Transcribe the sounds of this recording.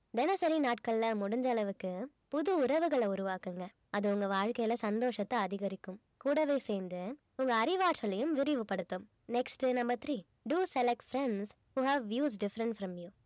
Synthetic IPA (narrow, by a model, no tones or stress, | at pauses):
d̪ɛnɐsɐɾinaːʈkɐɭːɐmʊɽʊɲd͡ʒɐlɐʋɯkːɯ | pʊðɯʊɾɐʋɯɣɐɭɐʊɾʊʋaːkɯŋɡɐ | ɐðɯʊŋɡɐʋaːɻkɐjɐlɐsɐnd̪oːʂɐt̪ːɐɐðɪɣɐɾɪkːɯm | kuːɽɐʋeːseːnd̪ɯ | ʊŋɡɐːɾɪʋaːʈsɐlɐjɯmʋɪɾɪʋɯpɐɽɯt̪ːɯm | nɛksʈɯnɐmbɐɾt̪ɾiː | ɖuːsɛlɛk̚ʈfɾɛɳɖs | huːɦaːʋʋjuːs̬ɖɪfɾɐɳʈfɾɐmju